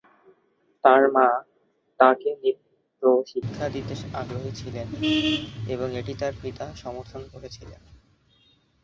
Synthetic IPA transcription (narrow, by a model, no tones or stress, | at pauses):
t̪aɾmã | t̪akenid̪it̪ɾoʃikʰːad̪id̪eʃaɡɾoɦet͡ɕʰilen | eboŋeʈit̪aɾpit̪aʃɔmoɾt̪ʰonkoɾet͡ɕʰilen